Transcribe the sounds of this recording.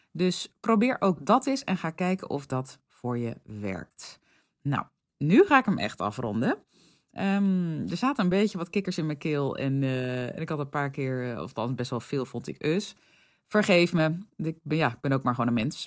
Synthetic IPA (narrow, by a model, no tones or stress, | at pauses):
døsprowbɪːɹʔowk̚dɑtɪsɛ̰nχaːkɛjkə̰nʔɔfdɔt | fʊːɹjə̰ʋɛ̰ɹk̚t | na̰w | nyχaːɪkəmʔɛ̰xtɑ̰frɔ̰ndə | ʔəmdəɹsaːtəəmbejcəʋɔtkɪkəɹsɪnməkɪlˠɛ̰nɛ̰nɪkhɑtənpaːɹkɪːɹɔ̰ftɑnsbɛstʋɛlˠfɪːlˠfɔntɪ̰køs | fəɹχejfməɪk̚bjaɪɡ̚bɛnowk̚maːɹχoːnəmɛns